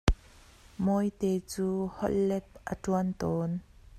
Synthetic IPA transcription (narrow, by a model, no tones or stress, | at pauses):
mɔjt̪ɛːt͡suːhɔ̰ʔ̚lɛp̪̚ʔətuənt̪ɔːn